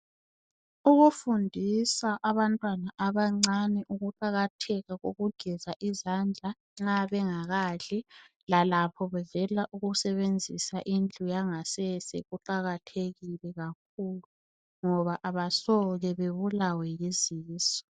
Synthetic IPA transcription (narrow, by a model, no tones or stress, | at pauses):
uɣufundʱisaʔaβantʼwanaʔaβaŋ͡ǀanɛʔuɣuǃaɣatʰɛɣaɣoɣuɡ̥ʱɛzaʔizand͡ɮʱa | ŋ͡ǁaβɛŋaɣaɬɛ | lalapʰɔβɛvɛlaʔuɣusɛβend͡zʱisaʔind͡ɮʱʼujaŋasɛsɛ̰ɣuǃaɣatʰeɣilɛɣak̚ʰulu | ŋɔβaʔaβasɔɣɛβeβulawɛjeziːsɔ̥